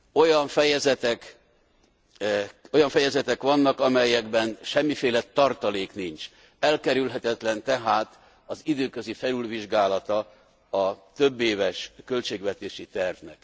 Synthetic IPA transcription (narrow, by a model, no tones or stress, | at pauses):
o̞jɒɱfɛjɛzɛt̪ɛk | o̞jɒɱfɛjɛzɛt̪ɛkʋɒnːɒkɒmɛjːɛɡbɛnʃɛmːifeːlɛt̪ɒrt̪ɒleːknint͡ʃ | ɛlkɛɾylɦɛt̪ɛt̪lɛnt̪ɛɦaːt̪ | ɒzid̪øːkø̞zifɛlylviʒɡaːlɒt̪ɒ | ɒt̪ø̞bːeːvɛʃkølt͡ʃeːɡvɛt̪eːʃit̪ɛrvnɛ̰k